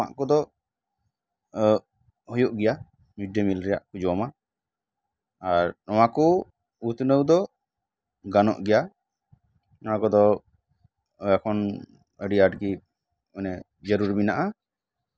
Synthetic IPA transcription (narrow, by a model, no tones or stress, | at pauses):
a̰ʔkɔd̪ɔ | hɔjɔʔɡɛja | muɖəmilɾɛja̰ʔkud͡ʒɔɔma | aɾɔwakɔ | ut̪nəwd̪ɔ | ɡanɔ̰ʔɡɛja | ɔnakɔd̪ɔ | akʰɔn | əɖiaɖɡi | ənɛ | d͡ʒəɾuɾbinaʔa